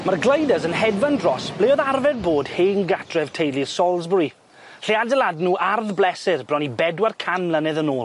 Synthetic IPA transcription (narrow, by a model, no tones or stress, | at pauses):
marɡləjdəzənɦɛdvandrɔsb̥leɔðarvɛd̚boːd̥heːŋɡatʰrɛv̥tʰejlˠirsɔlˠzbri | ɬiadəlˠadnuːʔarðblɛsɪrbrɔnibɛdwarkʰanmlənɛðənoːlˠ